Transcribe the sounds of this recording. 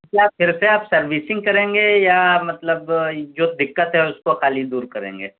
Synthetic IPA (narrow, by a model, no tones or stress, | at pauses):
kiaːpfʰɪɾseaːpsɐɾʋiːsɪ̃ŋɡ̚kɐɾẽːŋɡejamɐt̪ləbd͡ʒoːd̪ɪkːət̪ɦɛʊskoxaːlid̪uːɾkɐɾḛ̃ːŋɡḛː